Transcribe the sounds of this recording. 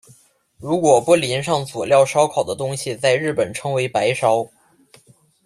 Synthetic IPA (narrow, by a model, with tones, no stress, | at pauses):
ɻu˧˥kwɔ˨˩pɔ˥li˧˥nʂ̬ɑ˥˩ŋt͡swɔ˨˩ljɑ˥˩ʊʂɑ˥ʊkʰɑ˨˩ʊd̪ə˦t̪ʊ˥ŋɕi˨t͡sa˥˧ɪɻɻ̩˥˩pə˨˩nʈ͡ʂʰɤ˧˥ŋwe˧˥ɪpa˧˥ɪʂɑ˥ʊ